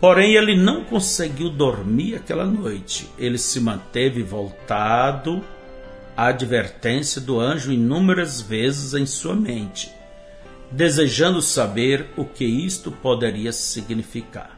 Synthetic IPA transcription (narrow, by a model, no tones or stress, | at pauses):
poɾẽj̃elɪnɐ̃w̃kõseɡiwd̪oɾmiɾakɛlɐnojt͡ʃɪ̥̰elɪsɪmɐ̃nt̪evɪvowt̪ad̪ʊ | aad͡ʒiveɾt̪ẽsjɐd̪ʊɐ̃ʒʊĩnũmeɾɐzvezɪzẽj̃suɐmẽnt͡ʃɪ̥ | d̪ezeʒɐ̃nd̪ʊsabeɾʊkɪist̪ʊpod̪eɾiɐsiɡnifika̰ɾ